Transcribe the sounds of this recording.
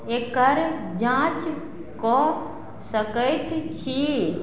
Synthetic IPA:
eːkəɾd͡ʒãːt͡ʃ | kɔ | səkəjt̪t͡ʃʰi

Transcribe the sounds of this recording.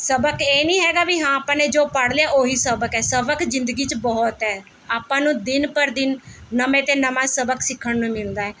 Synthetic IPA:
səbəkeːnĩːɦɛːɡaːʋiɦãːaːpãːneːd͡ʒoːpəɽleaːʔoːɦiːsəbəkɛːsəbəkzɪnd̪əɡiːt͡ʃbɔːt̪ɦɛː | aːpãːnũːd̪ɪnpəɾd̪ɪnːəmẽːt̪eːnəmãːsəbəksɪkʰːəɳnũːmɪld̪aːɛː

